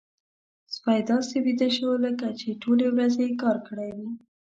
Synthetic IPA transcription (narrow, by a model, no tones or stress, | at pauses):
spɑjd̪ɑsebid̪aʃəwoləkat͡ʃeʈolewɾazekɑɾkəɽajwi